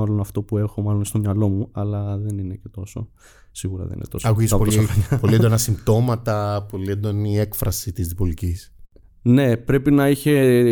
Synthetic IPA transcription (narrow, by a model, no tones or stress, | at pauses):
ɐlo̞nɐft̪o̞pue̞xo̞mɐlo̞nst̪o̞mɲɐlo̞muɐlɐðe̞nine̞cet̪o̞so̞̰ | siɣuɾɐ̰ðḛnḭnet̪osoɐkuisɐposɐpolied̪onɐsimbt̪o̞mɐt̪ɐpo̞liend̪o̞nie̞kfɾɐsit̪izðipolicis | ne̞pɾe̞pinɐiçe̞